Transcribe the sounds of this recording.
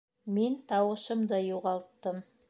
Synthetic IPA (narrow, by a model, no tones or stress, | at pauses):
ment̪ʰɑwɤ̆ʃə̆md̪əjuʁɑlˠt̪ːəm